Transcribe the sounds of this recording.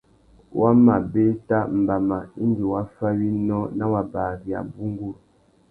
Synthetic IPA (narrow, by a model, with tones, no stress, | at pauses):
wʔa˦ma˨be˦ta˦m̩˨ba˨ma˨i˦n˦di˨wa˦fa˦wi˦nɔ˦na˦wa˨baː˨ɾi˨a̰˨bu˦ŋ˦ɡu˦˨l